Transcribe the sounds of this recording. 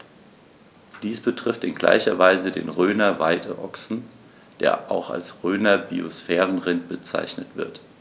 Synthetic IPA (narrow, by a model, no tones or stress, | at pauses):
d̥iːsb̥ətʁ̥ɪftɪnɡla̰ɪçɐvaɪzədḛːnʁøːnɐvaɪdə̰ʔɔksn̩ | d̥eːɐʔa̰ʊxa̰lsʁøːnɐbiosfɛːʁən̩ʁɪnt̚b̥ət͡sa̰ɪçnətv̥ɪɐt